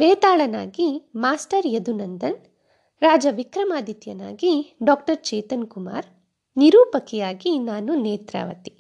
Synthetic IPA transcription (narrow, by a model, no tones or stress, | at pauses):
ʋeːt̪aːɭɐna̰ːɡimaːsʈɐɾjɐd̪unɐnd̪ɐn | ɾaːd͡ʒɐʋikɾɐmaːd̪ʱit̪jɐna̰ːɡiɖɔːkʈɐɾt͡ʃɛːt̪ɐnkuma̰ːɾ | niɾuːpɐkɛjaːɡinaːnuneːt̪ɾa̰ːʋɐ̰t̪i̥